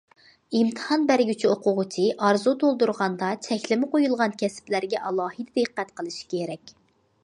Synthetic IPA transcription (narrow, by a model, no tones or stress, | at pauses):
ɨmt̪ʰə̥hɑnbæɾɡʲyt͡ʃʰioqʊʁʊt͡ʃʰiʔɑɾzut̪ʰolˠd̪uɾʁɑnd̪ɑt͡ʃʰɛkʲlɪmɪqojulˠʁɑnkʲʰɛsɪ̥plæɾɡʲɛʔɑlˠɑːhɨd̪ɨd̪ɨqːæt̪qʰəlˠɨʃi̥kʲʰeɾɛkʲ